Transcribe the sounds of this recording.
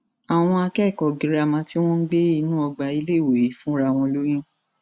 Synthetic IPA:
a˨w̃ɔ̃˧a˧kɛ˦˨kɔ˨ɡĩ˨ɾa˨mã˧ti˦w̃ɔ̃˦n̩˦ɡ͡be˦i˦˧˦nũ˦ɔ˧ɡ͡ba˧i˧le˦˨woe˨ji˨˦fũ˦ɾa˧˨w̃ɔ̃˧lo˦j̃ĩ˦

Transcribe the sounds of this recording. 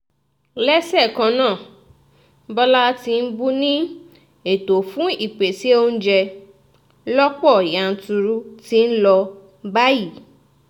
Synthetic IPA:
lɛ˦sɛ˦˨kã˧nãː˦˨˦ | bɔ˦la˦ti˧n̩˦bu˦nĩ˦ | e˨to˨fũ˦i˦˨k͡pe˨ti˨˦o˦n̩˦d͡ʒɛ˧ | lɔ˦k͡pɔ˦˨ja˨n̩˨˦tu˧ɾu˦ti˦n̩˦lɔ˧ | ba˦ji˦˨

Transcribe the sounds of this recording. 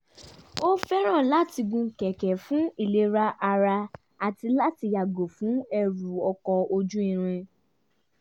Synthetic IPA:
o˦fɛ˦ɾ̃ã˦˨la˦ti˧ɡũ˧˦kɛ˨kɛ˨fũ˦i˦˨le˧ɾa˧ʔa˧ɾa˧ | a˨ti˧la˦ti˧ja˨ɡo˨fũ˨˦ɛ˧ɾu˨ɔ˧kɔ˧o˧d͡ʒũ˦ĩ˦˨ɾ̃ĩ˧

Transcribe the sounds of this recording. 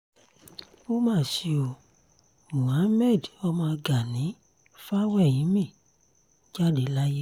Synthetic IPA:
o˦mãː˦˨si˧o˧˨ | ũ˨ã˨˦mɛ˦˨dɔ˧mãː˧ɡa˨nĩ˨˦ | fa˦wɛ˦˨jĩ˨˦mĩ˦˨ | d͡ʒa˦de˦la˦je˦

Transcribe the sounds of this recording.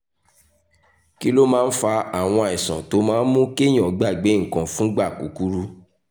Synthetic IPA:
ki˦lo˦mãː˦n̩˦fa˧a˨w̃ɔ̃˧a˨ɛ˨sã̰˨to˨˦mãː˦n̩˦mũ˦ke˦j̃ɔ̃˨˦ɡ͡ba˦˨ɡ͡be˨˦ŋ̩˦˨kã˨fũ˦ɡ͡ba˦˨ku˨ku˦ɾu˦

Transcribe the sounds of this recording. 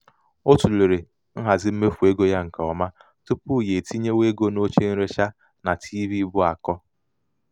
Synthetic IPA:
o˦tu˨le˨ɾe˨ | n̩˦ɦa˨zɪ˦m̩˦me˦fu˨e˦ɡo˦ja˦ŋ̩˨ka˨ɔ˨ma˦ | tu˦pu˦˨je˨ti˦ɲe˦we˦ɡo˦no˦t͡ʃe˦n̩˦ɾe˦ʃa˦ | na˨tʰi˦vi˦bʊ˦a˨kɔ˦

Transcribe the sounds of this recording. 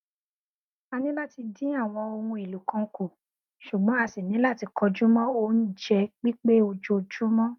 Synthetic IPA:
a˧nĩ˦la˦ti˧dĩ˨˦a˦˨w̃ɔ̃˧o˧wũ˧i˨lu˨kã˧˦ko˨ | ʃu˨ɡ͡bɔ̃˨˦a˧si˨nĩ˨˦la˦˨ti˨˧kɔ˧d͡ʒu˦mɔ̃˦o˧˦n̩˦d͡ʒɛ˧ɡ͡bi˦k͡pe˦o˧d͡ʒo˧d͡ʒu˦mɔ̃˦

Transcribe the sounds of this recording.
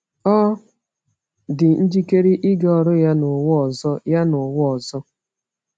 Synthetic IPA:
ɔ˦ | dɪ˨n̩˦d͡ʒi˦ke˦ɾi˦ʔɪ˦ɡɔ˨ɾʊ˦ja˦nʊ˨wʊ˦ɔ˨zɔ˦ja˦nʊ˨wʊ˦ɔ˨zɔ˦

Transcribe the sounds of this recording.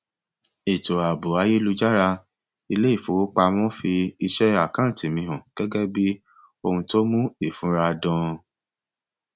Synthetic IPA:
e˨to˨a˨bo˨a˧˦ji˦lu˧d͡ʒa˦ɾa˧ | i˧le˦i˦˨fo˨˦k͡pa˧mɔ̃˦fi˧i˧ʃɛ˦a˦˨kã˦˨ti˨mĩ˨˧ɦɔ̃˨ɡ̥ɛ˦ɡɛ˦bi˦ | o˧hũ˧to˦mũ˦i˦˨fũ˨˦ɾa˧dɔ̃˧

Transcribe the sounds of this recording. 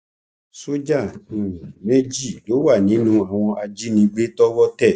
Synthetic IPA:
so˦d͡ʒa˦˨ũ˨mẽ˦d͡ʒi˦˨lo˨˦wa˦˨nĩ˨˦nũ˦a˨w̃ɔ̃˧ʔa˧d͡ʒi˦nĩ˧ɡ͡be˦tɔ˦wɔ˦tɛ˦˨

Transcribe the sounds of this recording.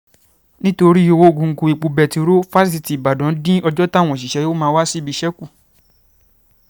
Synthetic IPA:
nĩ˦to˧ɾi˦o˧wo˦˨ɡũ˧ŋ̩˨ku˨˧i˨k͡pu˧bɛ˨ti˧ɾo˦fa˦ssi˧˨ti˨ba˨dɔ̃˨˦dĩ˦ɔ˧d͡ʒɔ˦ta˦˨w̃ɔ̃˨ʃ̬i˨ʃɛ˨˦jo˦mãː˧˦wa˦si˦˨bi˧ʃɛ˦ku˦˨

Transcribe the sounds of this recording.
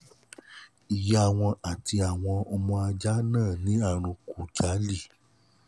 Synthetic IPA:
i˨ja˦˨w̃ɔ̃˧a˨ti˧a˨w̃ɔ̃˧ɔ˧mɔ̃˧a˧d͡ʒa˦nãː˦˨nĩ˦a˦˨ɾ̃ũ˧ku˨tʰa˨˦li˦˨

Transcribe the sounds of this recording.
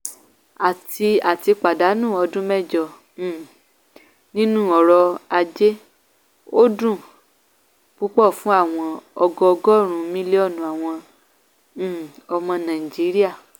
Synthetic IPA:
a˨ti˧a˨ti˧k͡pa˨da˨˦nũ˦˨ɔ˧dũ˦mɛ˦˨d͡ʒɔ̃˨ | nĩ˦nũ˦˨ɔ˨˦ɾɔ˧a˧d͡ʒe˦ | o˦dũ˦˨ | k͡pu˦k͡pɔ˦˨fũ˦a˦˨w̃ɔ̃˧ɔ˧ɡɔ˧ɔ˧ɡɔ˦˨ɾ̃ũ˨˦mĩ˦le˦ɔ˦˨nũ˨˦a˨w̃ɔ̃˧˨ | ɔ˧mɔ̃˧nã˨i˨d͡ʒi˨˦ɾi˦a˦˨

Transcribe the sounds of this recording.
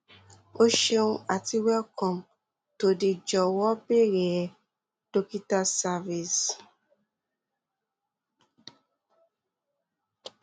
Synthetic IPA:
o˦ʃe˧ũ˦a˨ti˧wɛ˦kɔ̃˨m | to˨di˧d͡ʒɔ˨wɔ˦be˦˨ɾe˨ | d̥o˧ki˦ta˦sa˧vi˨s

